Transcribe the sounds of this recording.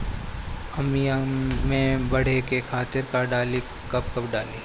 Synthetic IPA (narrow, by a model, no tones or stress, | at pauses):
ɐmijamẽbɐɽ̤ekekʰaːt̪ɪɾkaɖaːli | kɐb̚kɐpɖaːliː